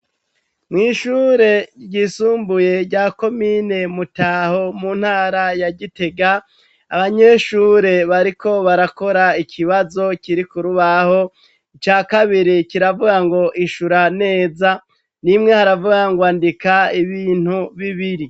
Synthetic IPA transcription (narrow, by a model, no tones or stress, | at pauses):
mŋiːʃuːɾe̞ɟisuːmbuje̞ɾɟaːko̞mine̞mutaho̞munhaːɾajaɟite̞ɡaː | βaɲe̞ʃuːɾe̞βaɾiko̞βaɾako̞ɾaikʰiβazo̞kiɾikuɾuβaho̞ | it͡ʃaːkaβiɾikiɾavuɡaŋɡo̞ʔiʃuɾane̞ːza | nimŋe̞haɾavuɡaŋɡwaːndikaiβiːn̥huβiβiɾi